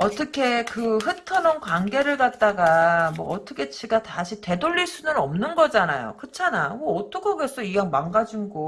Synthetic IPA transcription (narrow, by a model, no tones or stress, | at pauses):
ʌt͈ʌkʰe̞kɯɸɯtʰʌnʌnkwaŋɡe̞ɾɯɭkat̚t͈aɡamwʌ̰ːt͈ʌkʰe̞t͡ɕʰiɡataɕʰite̞doɭːiɭs͈unɯnʌ̰mnɯnɡʌd͡ʑanajo̰kɯt͡ɕʰanamʌːt͈ʰʌkʰʌɡesʰʌijaŋmaŋɡad͡ʑiŋɡo